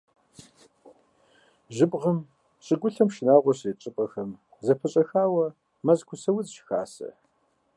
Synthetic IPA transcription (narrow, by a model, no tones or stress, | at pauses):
ʒɨpʼʁɐm | ɕʼɨɡʷʊɬɐmʃɪnaːʁʷɔɕet͡ʃʼɨpʼɐxɐm | zɐpʰɐɕʼɐxaːwɐ | mɐzkʷʰʊsɐwʊzʃxa̰ːsɐ̰